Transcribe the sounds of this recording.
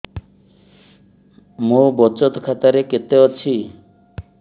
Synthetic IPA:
mobɔt͡ʃɔt̪kʰat̪aɾeket̪eɔt͡ɕʰi

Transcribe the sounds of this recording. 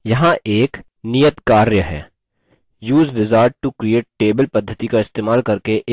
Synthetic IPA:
jɐɦãʔeːk | nijət̪kaːɾjəɦɛ̰ː | juːzɾɪzaːɾɖ̚ʈukɾieːʈ̚ʈeːbəlpɐd̪ʱːət̪ikaɪst̪eːmaːlkɐɾkeʔː

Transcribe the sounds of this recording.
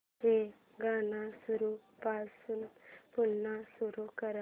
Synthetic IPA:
ɦe | ɡanasuɾupasuːnpunːasuɾukəɾa

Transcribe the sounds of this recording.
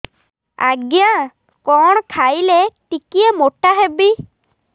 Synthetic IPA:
a̰ɡja | kɔñkʰajleʈikiemoʈaɦebi

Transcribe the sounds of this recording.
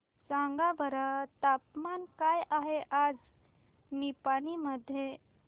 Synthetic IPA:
sãŋɡabəɾət̪apmankajaɦeʔad͡z | nipaniməd̪ʱːje

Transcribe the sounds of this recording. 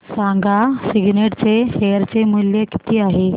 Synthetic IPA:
sãŋɡʱasiɡneʈt͡seɦeəɾt͡semuljəki̥t̪iːaɦe

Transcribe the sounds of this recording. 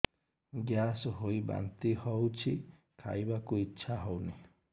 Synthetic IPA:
ɡasuɦuiba̰nt̪ihɔut͡ʃi | kʰa̰jβakuit͡ʃʰaɦonĩ

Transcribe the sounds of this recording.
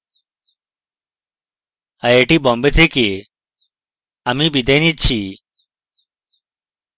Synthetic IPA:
ɐeːʈiːbɔ̃ːmbet̪ʰiki | ɐmiːbid̪enit͡ɕʰi

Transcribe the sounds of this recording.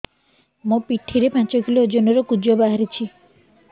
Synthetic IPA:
mõpiʈʰːiɾepãnt͡ʃɔkʰilod͡ʒonɔɾɔkud͡ʒɔbaɦaɾit͡ʃʰi

